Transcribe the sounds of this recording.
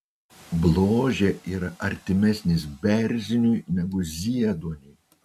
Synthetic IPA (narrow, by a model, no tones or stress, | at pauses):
blˠoːʒʲeːiːɾɐʔɐɾʲt̪ʲɪmʲɛsʲnʲɪs̬bʲɛɾʲzʲɪnʲujnʲɛɡʊzʲiɛd̪uɔnʲʊj